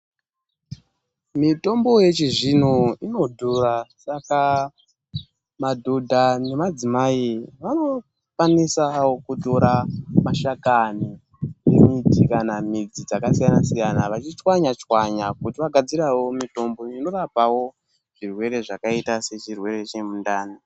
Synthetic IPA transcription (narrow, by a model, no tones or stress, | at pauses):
mito̞mbo̞je̞t͡ʃiʐinoinodʱorasaka | madʱodʱane̞mad͡zimaiʋano̞ | kwanisawokuto̞ɾamaʃakani | nḛmitikanamid͡zid͡zakasijanasijanaʋat͡ʃit͡ʃwaɲat͡ʃwaɲakutiʋaɡʱad͡ziɾawo̞mito̞mboino̞rapawo̞ | ʐ̥irwe̞ɾe̞ʐakaitase̞t͡ʃirwe̞ɾe̞t͡ʃemundaːni